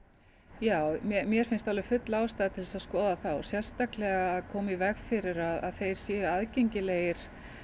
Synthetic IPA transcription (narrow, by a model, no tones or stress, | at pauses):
jaːwmɛmjɛɾ̥fɪnst̪alɪvɪfʏt̪laːwst̪aːðt̪ʰɪlsaðskɔːðaθawsjɛr̥st̪aklɛɣaːðkʰɔːmivɛɣfɪɾɪɾaða̰ðθejɾ̥sjɛːaðcejɲcɪleːjɪɾ̥